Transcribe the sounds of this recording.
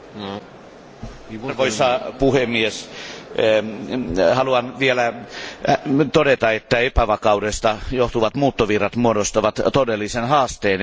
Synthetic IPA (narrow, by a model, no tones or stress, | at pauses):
rʋoisɑpuhemːies | hɑluɑnʋielæ | t̪odet̪ɑet̪ːæepæʋɑkɑudest̪ɑjoht̪uʋɑt̪muːt̪ːoʋirːɑt̪muodost̪ɑʋɑt̪t̪odelːisenhɑːst̪eːn